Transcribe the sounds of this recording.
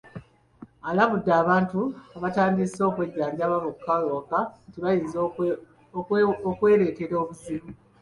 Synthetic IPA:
alaβudːaːβaːntuaβataːndiso̞kwe̞ɟːaːɲɟaβaβukːaloːkatiβajinz | okwe̞ːɾe̞ːteɾo̞ːβuzimu

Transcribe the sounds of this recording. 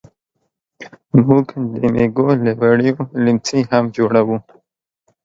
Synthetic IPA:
muɡd̪əmeɡolewaɽijolimt͡sihamd͡ʒoɽawu

